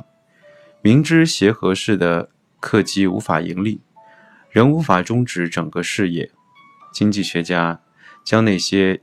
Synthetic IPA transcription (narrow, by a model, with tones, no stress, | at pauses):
mi˧˥ŋʈ͡ʂɻ̩˥ɕjɛ˧˥xɤ˧˥ʂɻ̩˥˩d̪ə˩ | kʰɤ˥˩t͡ɕi˥ṵ˧˥fa̰˨˩ḭ˧˥ŋli˥˩ | ɻə˧˥nu˧˥fa˨˩ʈ͡ʂʊ˥ŋʈ͡ʂɻ̩˧˥ʈ͡ʂɤ˨˩ŋɡə˦ʂɻ̩˥˧jɛ̰˥˩ | t͡ɕi˥ŋt͡ɕi˥˩ɕɥɛ˧˥t͡ɕja˥ | t͡ɕjɑ˥ŋna˥˩ɪɕjɛ˥